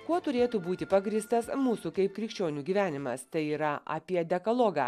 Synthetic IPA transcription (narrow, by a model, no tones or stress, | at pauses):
kuɔt̪ʊɾʲeːt̪uːbuːt̪ʲɪpɐɡɾʲiːst̪ɐsmuːsuːkɐɪpkɾʲɪkʃʲt͡ʃʲoːnʲuːɡʲiːʋʲæːnʲɪmɐst̪ɐɪiːɾɐɐ̰pʲiɛd̪ʲɛkɐlˠoːɡɑ̰ː